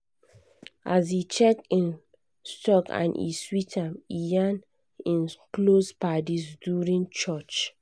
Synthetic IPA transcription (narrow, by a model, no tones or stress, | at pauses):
as̬it͡ʃɛk̚tĩn | stɔkã̰nʔḭswitamijan | ĩnplospadisduɹĩnt͡ʃɔt͡ʃ